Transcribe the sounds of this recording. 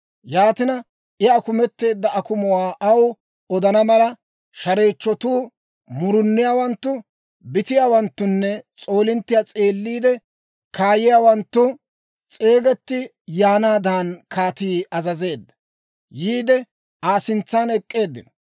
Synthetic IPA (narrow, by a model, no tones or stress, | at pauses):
jaːt̪ɪnɐ | ɪɐkʊmɛt̪ːe̞ːd̪ːɐɐkʊmɔwaːʔɐw | ɔd̪ɐnɐmɐlɐ | ʃɐɾe̞ːt͡ʃːɔt̪uː | mʊɾʊnːɪjaːwɐnt̪ːʊ | bɪt̪ɪjaːwɐnt̪ːʊnːɛt͡sʼo̞ːlɪnt̪ːɪjat͡sʼeːlːiːd̪ɛ | kʰaːjɪjaːwɐnt̪ːʊ | t͡sʼe̞ːɡɛt̪ːɪ | jaːnaːd̪aːnkʰaːt̪iːɐzɐze̞ːd̪ːɐ̥ | jiːd̪ɛ | aːsɪnt͡sːaːnɛkʼːe̞ːd̪ːɪ̰nɔ